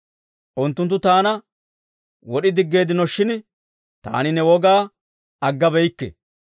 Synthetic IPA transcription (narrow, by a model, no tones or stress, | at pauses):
ʔʊnt̪ːʊnt̪ːʊt̪aːnɐ | wɔɗɪd̪ɪɡːe̞ːd̪ɪnɔʃːɪn | t̪a̰ːnɪnɛwɔɡaː | ɐɡːɐbɛjkːɛ̰